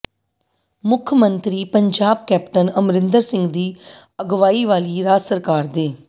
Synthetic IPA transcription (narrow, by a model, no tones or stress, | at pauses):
mʊkʰmə̃nt̪ɾiːpəɲd͡ʒaːb̚kɛːpʈənəmɾɪnd̪əɾsɪ̃ŋɡd̪iːəɡʋaːiːʋaːliːɾaːsəɾkaːɾd̪eː